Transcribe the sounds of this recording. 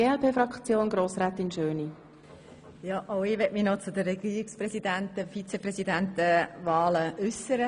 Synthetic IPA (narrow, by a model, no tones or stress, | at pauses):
eːɛlpʰeːfɾɑkt͡sjoːnɡɾoːsɾɛːt̪ɪnʃøːni | jɑʔoʊɪʋɛtmɪnɔt͡sʊd̪əːɛɡiːɾikspɾɛsidæntəfit͡sepɾɛsidæntəvɑːləʔʏsəɾə